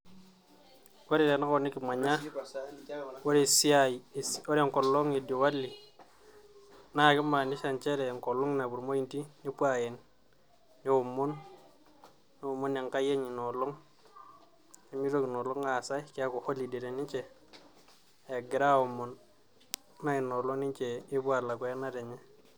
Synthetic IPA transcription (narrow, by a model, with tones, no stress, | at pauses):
wo˦ɾi˨ɾe˨na˦ko˨ni˦ki˨ma˨ɲa˦ | wo˦ɾi˦˨si˦a˨i˨so˦ɾe˦˨ŋko˨lːo˦ŋi˨di˨wa˦lːi˨ | na˦˨ki˦ma˨ni˦ʃa˦˨nt͡ʃe˦ɾe˨ŋko˨lːo˦ŋ˦na˨bu˨ɾmo˦ji˦nti˦ni˦pwa˨je˨nː | i˦wu˨mːu˦n | ni˦u˨mːu˦ne˨ŋka˦je˦ɲi˨no˨lɔ˦ŋ | e˨mi˦ɾo˦kno˨lo˦ŋa˨sa˦kɪ˦a˦ko˨ho˦li˨de˨ɾe˨ni˦t͡ʃe˨ | e˨ɡɪ˨ɾa˦u˨mːu˨n | ma˦i˨no˨lo˦ni˦ɲt͡ʃeː˨˦bu˦a˨la˨kwɛ˦na˦ɾe˨ɲe˦